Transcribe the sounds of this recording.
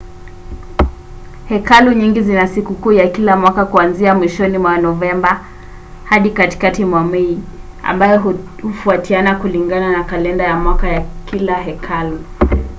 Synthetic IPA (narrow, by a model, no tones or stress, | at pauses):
hɛkaluɲiŋɡizinasikukuːjakilamwakakuanziamwiʃɔnimwanɔvɛmba | haɗikati̥katimwamɛi | a̰mbajɔ | hufuatianakuliŋɡananakalɛndajamwakajakilaɦɛkʰalu